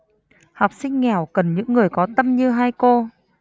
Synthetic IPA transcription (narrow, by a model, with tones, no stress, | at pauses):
hɔ˨˩wk͡p̚sï˧ŋ̟ːɛ˨˩wkə˨˩nɲɨ̰˧˥ŋːɨ˨˩əjkɔ˨˦t̪ə˧mɲɨ˧ɦaː˧jko˧